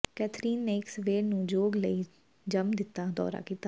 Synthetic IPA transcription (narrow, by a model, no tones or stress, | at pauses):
kɛːt̪ʰɾiːnːeːɪksʋeːɾnũːd͡ʒoːɡləiː | d͡ʒəmd̪ɪt̪ːaːd̪ɔ̰ːɾa̰ːkiːt̪aː